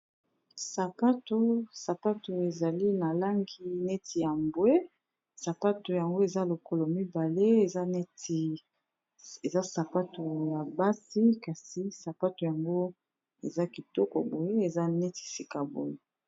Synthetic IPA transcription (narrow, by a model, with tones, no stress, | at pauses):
sa˨pa˦to˨sa˨pa˦tu˨e˨za˨li˦na˨la˦ŋɡi˨ne˦ti˨ja˨mbwe˦ | sa˨pa˦tu˨ja˨ŋɡo˦e˨za˦lo˨ko˦lɔ˨mi˦ba˨le˦e˨za˦ne˦ti˨ | e˨za˦sa˨pa˦to˨ja˨ba˦si˦ka˨si˨sa˨pa˦tu˨ja˨ŋɡo˦ | ḛ˨za˦ki˨tɔ˦kɔ˨bo˨je˦e˨za˦ne˦ti̥˨si˨ka˨bo̰˨je˨